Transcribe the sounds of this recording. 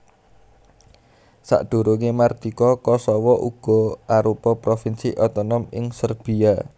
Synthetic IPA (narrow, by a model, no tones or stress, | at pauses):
sa̰ʔɖ̪̥o̤ɾoŋemard̪̥ikɔkɔsɔwɔʔuɡ̥ɔ̤ʔaɾupɔpɾofinsiʔɔt̪ɔnɔmɪŋsərb̥i̤a